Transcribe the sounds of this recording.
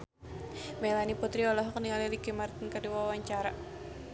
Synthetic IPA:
mɛlaniput̪ɾiɔlɔɦɔkniŋalilikimart̪inkəduwawaɲt͡ʃaɾa

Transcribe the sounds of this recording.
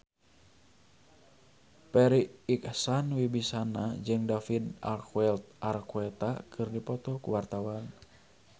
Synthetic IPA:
pɛɾiːksanwibisanad͡ʒɨŋdafida̰lkuɛlt̪̚ʔarkuɛt̪akʰɨrdipɔt̪ɔkuwart̪awan

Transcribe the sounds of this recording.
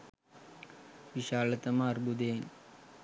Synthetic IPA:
ʋiʃaːɭɐt̪ɐmaːɾbud̪eːn

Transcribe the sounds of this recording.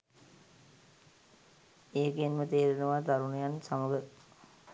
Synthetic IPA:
eːkenmət̪eːɾinəʋat̪aɾunejansaməɡə

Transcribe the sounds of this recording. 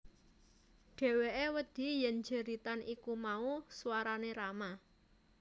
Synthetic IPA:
ɖ̥e̤weʔewəd̪̥i̤jɛnd͡ʒəɾit̪anʔikumauswaɾaneɾama

